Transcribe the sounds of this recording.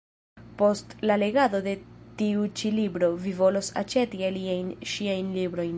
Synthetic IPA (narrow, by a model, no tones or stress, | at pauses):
po̞stlale̞ɡado̞de̞tiut͡ʃilibɾo̞vivo̞lo̞sa̰t͡ʃe̞tialiajnʃiajnlibɾo̞jn